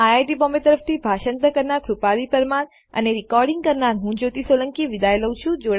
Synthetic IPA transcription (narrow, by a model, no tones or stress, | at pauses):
aajʈibɔmbet̪əɾəft̪ʰibʱaʃənt̪əkəɾnakʰɾupalipəɾmaɾ | ə̰neɾikɔɾɖiŋɡ̚kəɾnaɾɦũd͡ʒot̪isoləŋkiʋid̪ajləw̃t͡ʃʰũd͡ʒoɽ